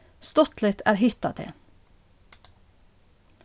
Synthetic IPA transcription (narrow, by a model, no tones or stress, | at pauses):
st̪ɔt̪lɪt̪ʰæ̰ːɾhɪt̪ɑt̪ʰḛː